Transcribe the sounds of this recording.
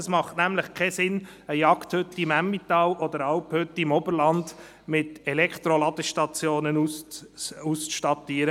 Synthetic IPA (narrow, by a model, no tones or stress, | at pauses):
əsmɑχtnæmləχkʰɛsɪn | əjɑkt̪hɵt̪ːimæmːit̪ɑːlʔɔd̪əɾɑlphʏt̪ːimɔbəɾlɑnd̪ | mɪt̪ɛlɛkt̪ɾolɑd̪əʃtɑt͡sjoːnənu | ust͡sʃtɑt̪iːəɾə